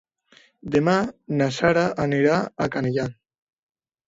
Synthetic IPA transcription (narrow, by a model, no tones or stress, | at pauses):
d̪emanasaɾaʔaniɾaakaneʎan